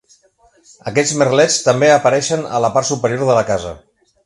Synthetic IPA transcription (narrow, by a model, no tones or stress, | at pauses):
əkɛd͡zmərlɛt͡st̪əmbeəpəɾɛʃənə̰ləpart̪supəɾioɾðələkazə̰